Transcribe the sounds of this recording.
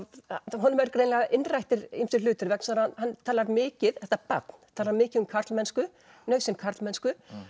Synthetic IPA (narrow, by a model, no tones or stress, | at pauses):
ɦɔnːʏmɛɾkɾejnlaɣaʔɪnrajht̪ɪɾimfɪɾlʏːt̪ɪɾvɛkn̥saɾhanhanːt̪ʰaːlaɾmɪːcɪðθɛht̪apa̰t̪n̥t̪ʰaːlaɾmɪːcɪðʏmkʰaɾ̥t̪lmɛnskʏ | nœɥɣsɪnkʰaɾt̪lmɛnskʏ